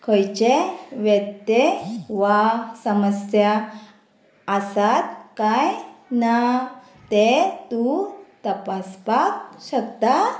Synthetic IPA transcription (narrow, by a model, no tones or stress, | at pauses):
kʰəjt͡ɕeʋɛt̪ːeʋasəməsja | sat̪̚kajna | t̪et̪ut̪əpaspakɕəkt̪a